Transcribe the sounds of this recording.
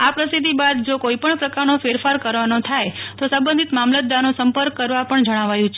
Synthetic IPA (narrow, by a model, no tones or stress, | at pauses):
apɾəsid̪ʱːibad̪d͡ʒokoipəɳpɾəkaɾnofeɾfaɾkəɾʋanot̪ʰajt̪osə̃mbə̃nd̪ʱit̪mamlət̪̚d̪anosəmpəɾkːəɾʋapəɳd͡ʒəɽ̃aʋajũt͡ʃʰe